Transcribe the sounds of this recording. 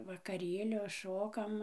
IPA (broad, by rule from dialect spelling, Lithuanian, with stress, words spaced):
ʋɐkɐˈrʲeːlʲoː ˈʃoːkɐm